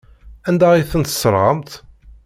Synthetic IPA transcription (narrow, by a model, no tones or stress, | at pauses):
ænd̪æiθənt̪ə̥sːəɾˤʁəmt̪